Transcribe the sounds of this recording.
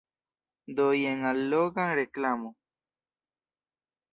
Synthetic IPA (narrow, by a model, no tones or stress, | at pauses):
d̪ojeŋaloɣãreklamo